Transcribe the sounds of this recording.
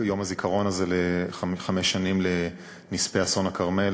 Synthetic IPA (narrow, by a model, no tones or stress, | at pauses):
jo̞mazikʰaʁo̞nazeleχameʃːanimle | nispeaso̞nakaʁmel